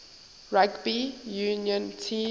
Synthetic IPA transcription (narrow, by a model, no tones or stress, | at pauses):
ɹaɡbijuːnjɔ̃ntʰĩː